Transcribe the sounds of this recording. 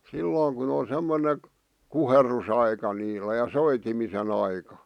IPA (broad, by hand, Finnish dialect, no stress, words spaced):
silːoːŋ kun on̞ semːone kuherːusɑikɑ niːlæ jɑ soitimisen ɑikɑ